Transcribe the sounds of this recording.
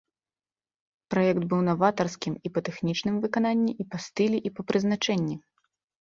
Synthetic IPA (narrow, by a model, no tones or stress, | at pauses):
pɾajɛkd̪bɨwnɐvat̪ɐrskʲimipɐt̪ɛxnʲit͡ʂnɨmvɨkananʲːiʔipɐst̪ɨlʲiʔipɐpɾɨzn̪at͡ʂɛnʲːi